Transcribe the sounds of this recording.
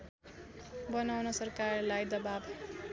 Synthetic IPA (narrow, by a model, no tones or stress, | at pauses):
bʌnawnʌsʌrkarlajd̪ʌbab